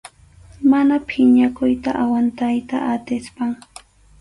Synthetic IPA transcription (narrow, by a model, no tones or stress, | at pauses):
manapʰɪɲakʊjt̪aʔawant̪ajt̪a̰ʔat̪ɪspaŋ